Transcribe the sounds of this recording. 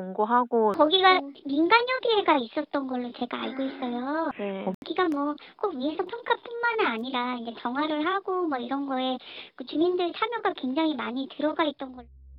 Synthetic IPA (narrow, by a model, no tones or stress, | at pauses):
oŋɡoɦaɡokʌɡiɡaminɡanjʌɡieɡais͈ʌt̚t͈ʌnɡʌɭːot͡ɕe̞ɡaa̰ɭɡois͈ʌjoeɡiɡamwʌ | k͈okwiesʰʌpʰjʌŋkʰap͈unmanɯaɲiɾaind͡ʑe̞t͡ɕʌŋɦwaɾɯɭɦaɡomʌiɾʌnɡʌe̞kɯt͡ɕumindɯɭt͡ɕʰamjʌɡakwe̞ŋd͡ʑaŋɦimaɲitɯɾʌɡait̚t͈ʌnɡʌ